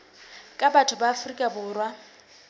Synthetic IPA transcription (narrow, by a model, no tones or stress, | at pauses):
kʼabatʰʊbaːfrikʼabʊːrwa